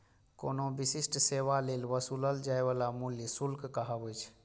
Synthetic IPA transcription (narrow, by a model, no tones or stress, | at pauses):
konobisisʈseβalelʋəsuləld͡ʒajbalamuljəsulkkəɦəbəjt͡ʃʰ